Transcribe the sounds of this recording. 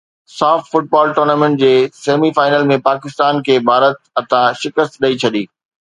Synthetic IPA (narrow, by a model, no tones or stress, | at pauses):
saːfʈfʊʈ̚baːlʈoːɾnaːmẽɳʈ̚d͡ʑeːseːmifaːɪnəlmẽpaːkɪst̪aːnkʰeːbʱaːɾət̪̚ɐt̪ʰãʃɪkəst̪ɗɐit͡ɕʰɐɗiː